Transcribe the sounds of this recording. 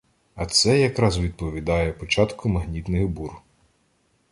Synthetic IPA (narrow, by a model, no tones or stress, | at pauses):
ɐt̪sɛjɐkɾɑzʋʲid̪̚pɔʋʲid̪ɑjɛpɔt͡ʃɑt̪kʊmɐɦnʲit̪nɪɣbur